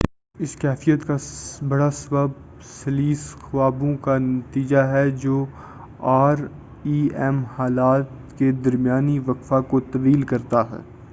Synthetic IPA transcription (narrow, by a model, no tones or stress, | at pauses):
ɪskɛːfijət̪kabɐɽasɐbəb̚ | sɐliːsxwaːbõkanɐt̪iːd͡ʒaɦɛd͡ʒoː | aːɾ | iːɛːmhaːlaːt̪ | ked̪ɐɾmijaːniʋɐkfakot̪ɐʋiːlkɐɾt̪aɦɛ̰ː